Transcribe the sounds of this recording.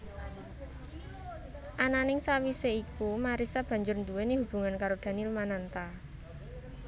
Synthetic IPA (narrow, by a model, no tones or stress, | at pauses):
ʔananɪŋsawiseikumaɾisab̥ä̤ɲd͡ʒʊrnd̪uweniɦub̥ṳŋankaɾod̪̥ä̤nilmanant̪a